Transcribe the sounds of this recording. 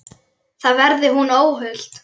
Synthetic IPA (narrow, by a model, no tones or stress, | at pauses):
θaðvɛɾðɪɦunoːwɦʏl̥t̪